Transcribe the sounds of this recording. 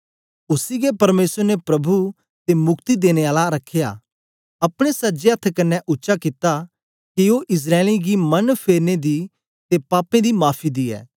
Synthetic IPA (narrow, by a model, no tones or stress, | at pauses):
ʊsiɡepɐɾmeːsəɾnepɾɐbʱu | t̪emʊkt̪id̪eːñeaːlaɾɐkʰːeja̰ | ɐpɽ̃esɐd͡ʒeɐt̪ʰkɐnːɛ̃ʔʊtːʃakɪt̪a | kioʔɪs̬ɾaːliɡimɐnpʰeːɾned̪i | t̪epaːpẽd̪imaːpʰid̪iɛ̰ː